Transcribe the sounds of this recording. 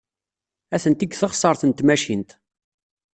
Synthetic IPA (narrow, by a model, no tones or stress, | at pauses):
æθənt̪iɡθəχsˤəɾˤθənt̪mæʃint̪